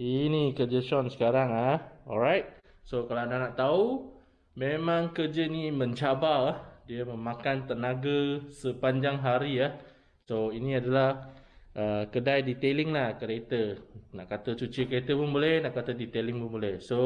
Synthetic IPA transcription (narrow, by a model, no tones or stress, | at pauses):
inikəd͡ʒət͡ʃɔnsə̥kaɾaŋaɔ̰lɾajt̪̚ | sokalaadahnaʔt̪au | mẽmãŋkəd͡ʒənimə̃ɲt͡ʃabaahdiəmə̃makant̪ənaɡasəpaɲd͡ʒaŋɦaɾiah | soinĩadalahʔəkədajdit̪elɪŋlahkəɾet̪ənaʔkat̪ət͡ʃut͡ʃikəɾet̪əpʊnbolɛhnaʔkat̪ədit̪elɪŋpʊnbolɛhso